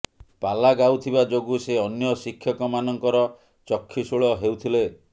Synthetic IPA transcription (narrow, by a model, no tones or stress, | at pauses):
palaɡawt̪ʰibad͡ʒoɡuseɔnjɔsikʰːjɔkɔmanɔŋkɔɾɔ | t͡ʃɔkʰːisuɭɔɦewt̪ʰile